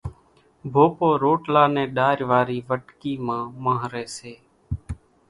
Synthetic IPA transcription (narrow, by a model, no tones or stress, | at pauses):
bʱoːpoːɾoːʈlaːnẽːɗaːɾʋaːɾiːʋəʈkiːmãːmãːɦɾeːseː